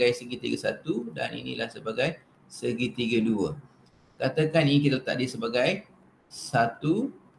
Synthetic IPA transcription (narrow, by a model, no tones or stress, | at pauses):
ajsəɡit̪ḭɡəsat̪uda̰nḭnḭlahsəbaɡaj | səɡit̪iɡəduə | kat̪akaninik̬it̪alət̪a̰ʔdisəbaɡaj | sat̪u